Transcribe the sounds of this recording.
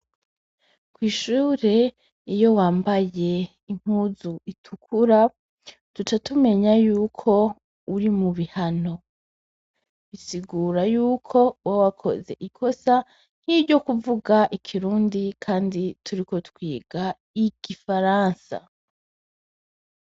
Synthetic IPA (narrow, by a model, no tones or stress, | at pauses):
kwiːʃuːɾe̞ | ijo̞waːmbaje̞ | iŋ̥huzuitʰukʰuɾa | tut͡ʃatume̞ɲajuːkʰo̞ | uɾimuβihano̞ | βisiɡuɾajuːkʰo̞wawakʰo̞̰ze̞̰ʔikʰo̞sa | n̥hibɟo̞kuvuɡaʔikʰiɾuːndikʰaːnditʰuɾiko̞tkwiːɡa | iɡ̥ifaɾaːnsa̰